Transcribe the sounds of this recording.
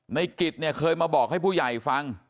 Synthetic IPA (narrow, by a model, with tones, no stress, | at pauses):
na˧jki˨˩t̪̚ni˥˩əkʰɤː˧jmaː˧bɔː˨˩k̚ha˥˩jpʰuː˥˩ja˨˩jfa˧ŋ